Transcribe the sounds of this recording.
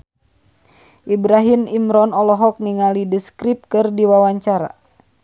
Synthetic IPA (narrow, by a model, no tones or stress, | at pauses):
ʔibɾaɦimimɾɔnɔlɔɦɔk̚niŋalidəskɾip̚kɨrdiwawaɲt͡ʃaɾa̰